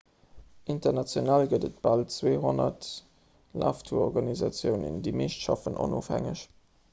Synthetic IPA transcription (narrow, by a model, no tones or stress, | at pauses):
ʔintɐʁnɑt͡sjonalɡədət̚b̥ɑltt͡sweːɦonɐt | lʔa̰ːftʰuɐɔʁɡɑnizɑt͡sjəʊnə̰ndiːmeːʃtʃɑfənʔo̰noːfhæ̰ŋəɕ